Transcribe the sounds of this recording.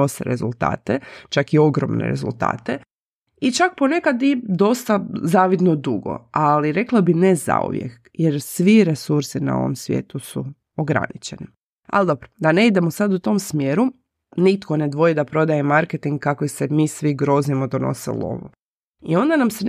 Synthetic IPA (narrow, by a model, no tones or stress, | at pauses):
osḛɾezulˠt̪a̰ːt̪et͡ʃakio̞ɡɾo̰mnḛɾe̞̰zṵlˠt̪a̰ːt̪e | it͡ʃak̚pone̞kad̪id̪o̞st̪azaːʋid̪nod̪uɡo̰aliɾe̞klˠabineza̰ṵʋjḛk | je̞ɾsʋiɾe̞suɾsina̰o̰ʋo̰msʋjḛːt̪usu | oɡɾa̰nit͡ʃe̞ni | a̰ld̪o̞pɾod̪ane̞id̪e̞mosad̪ut̪o̞msmjeːɾu | nit̪ko̞ne̞d̪ʋo̞jid̪apɾo̞d̪ajemaɾket̪iŋɡkːakʋisemiːsʋiɡɾo̞zimod̪ono̞̰sḛlˠo̰ʋo | io̞nd̪anamse